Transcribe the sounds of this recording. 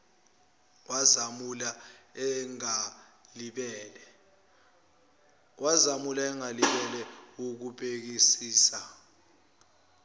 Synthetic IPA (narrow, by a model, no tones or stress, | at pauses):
wazamulaɛŋaliɓɛːlɛ | wazamulaɛŋaliɓɛlɛuk̬upʼek̬isiːsa